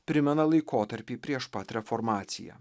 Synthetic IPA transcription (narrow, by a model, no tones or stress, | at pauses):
pʲɾʲɪmʲɛnɐlˠɐɪkoːt̪ɐɾʲpʲiːpʲɾʲiɛʃpɐt̪ʲɾʲɛfɔɾmɑːt̪sʲɪ̰jɛ̰